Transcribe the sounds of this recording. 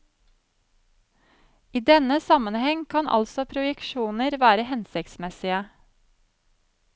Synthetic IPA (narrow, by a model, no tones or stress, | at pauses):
ʔiːd̪ɛnəsɑmənhɛŋkʰɑnʔɑ̰lsɔpʰɾʊjəkʃuːnəɾʋæːɾəhɛnsɪkt̪smɛsɪə